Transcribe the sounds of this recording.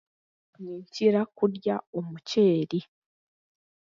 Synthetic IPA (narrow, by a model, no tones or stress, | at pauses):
ɲiːɲciɾakuɾjaomuceːɾi